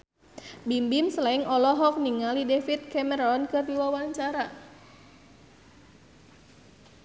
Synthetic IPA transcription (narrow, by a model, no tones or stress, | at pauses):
bimbimslaɪŋɔlɔɦɔk̚niŋalidefit̪̚kɛməɾɔnkɨrdiwawaɲt͡ʃaɾa